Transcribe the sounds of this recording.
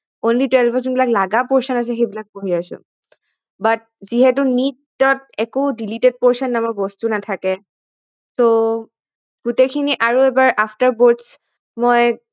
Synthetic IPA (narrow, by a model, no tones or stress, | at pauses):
onlitwɛlbʱɔzɔnbilaklaɡapɔɹsɔnas̬ɛxejbilak̚poɹiasʊ̰̃ | bat̚ziɦɛtʊnid | ɔt̚ɛkodilited̚pɔɹsɔnːamɔbɔstunatʰakɛ | to | ɡ̥utekʰiniʔaɹuɛbaɹʔapʰtaɹbɔds | mɔj